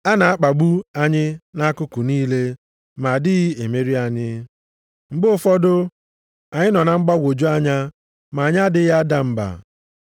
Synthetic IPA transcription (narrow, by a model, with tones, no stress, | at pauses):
a˦na˨a˦k͡pa˨ɡ͡bu˦a˦ɲɪ˦na˦kʊ˦kʊ˨niː˦le˦ | ma˨dɪ˦ɣi˦e˨me˦ɾi˦a˨ɲɪ˦ | ŋ͡m̩˨ɡ͡bʊ˦fɔ˦dʊ˦ | a˨ɲɪ˦nɔ˨na˨ŋ͡m̩˦ɡ͡ba˦ɡʷo˨d͡ʒu˦a˦ɲa˦ | ma˨ɲa˦dɪ˦ɣa˦da˨m̩˨ba̰˨